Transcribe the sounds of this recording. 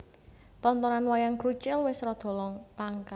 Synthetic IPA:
t̪ɔnt̪ɔɾanwajaŋɡɾut͡ʃɛlwɪsɾɔd̪̥ɔ̤lɔŋlaŋka

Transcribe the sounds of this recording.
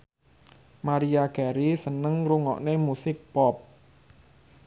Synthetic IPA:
maɾiaɡ̥aɾisənəŋɾuŋɔ̰ʔnemusɪk̚pɔp̚

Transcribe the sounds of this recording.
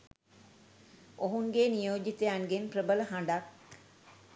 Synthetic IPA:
oɦuŋɡeːnijoːd͡ʒit̪ejaŋɡenprəbələɦaɳɖak̚

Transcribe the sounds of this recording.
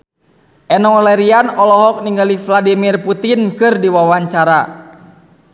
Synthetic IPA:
ʔɛnɔalɛɾianɔlɔɦɔk̚niŋɡalifladimirput̪inkɨrdiwawaɲt͡ʃaɾa

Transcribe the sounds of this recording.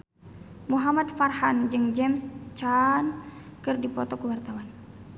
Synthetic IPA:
muɦamat̪farhand͡ʒɨŋd͡ʒɛmst͡ʃankɨrdipɔt̪ɔkəwart̪awan

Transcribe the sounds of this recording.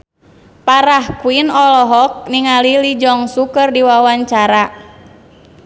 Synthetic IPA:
paɾahkuinɔlɔɦɔk̚niŋalilid͡ʒɔŋsukərdiwawaɲt͡ʃaɾa

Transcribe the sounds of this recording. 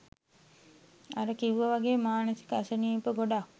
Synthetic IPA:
aɾəkiʋuʋəʋaɡeːmaːnəsi̥kəasəniːpəɡoɖak

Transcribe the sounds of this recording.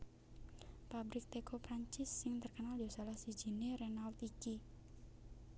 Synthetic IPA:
pabɾɪk̚t̪ekopɾaɲt͡ʃɪsːɪŋt̪ərkənaljosalahsi̥d͡ʒ̥i̤nerenalt̪iki

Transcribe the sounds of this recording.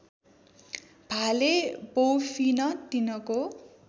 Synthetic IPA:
b̥ʱalebowpʰinʌt̪inʌko

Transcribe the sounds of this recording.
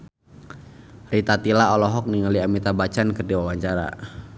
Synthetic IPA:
rit̪at̪ilaɔlɔɦɔk̚niŋaliamit̪abat͡ʃankɨrdiwawaɲt͡ʃaɾa̰

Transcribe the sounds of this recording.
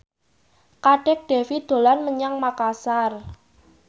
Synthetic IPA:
kaɖ̥ɛk̚ɖ̥e̤fid̪̥o̤lanməɲaŋmakasar

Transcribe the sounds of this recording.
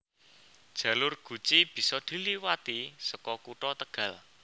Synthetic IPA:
d̥ʒ̥ä̤lʊrɡ̥ṳt͡ʃib̥i̤sɔd̪̥i̤liwat̪isəkɔkuʈɔt̪əɡ̥ä̤l

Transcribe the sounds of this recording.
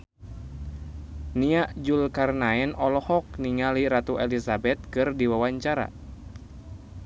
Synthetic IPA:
niaʔd͡ʒulkarnaɛnɔlɔhɔk̚niŋaliɾat̪uʔɛlisabɛt̪̚kɨrdiwawaɲt͡ʃaɾa̰

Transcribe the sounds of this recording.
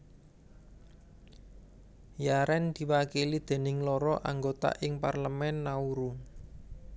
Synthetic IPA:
jaɾɛnd̪̥i̤wakilid̪̥e̤nɪŋlɔɾɔʔaŋɡot̪a̰ʔɪŋparləmɛnːauɾu

